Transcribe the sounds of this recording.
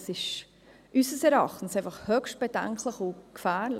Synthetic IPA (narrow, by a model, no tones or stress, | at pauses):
sɪʃ | ʔysəsɛɾɑχtn̩sɛɪfɑχhœkʃt̚b̥edɛ̰ŋkləχukfæːɾl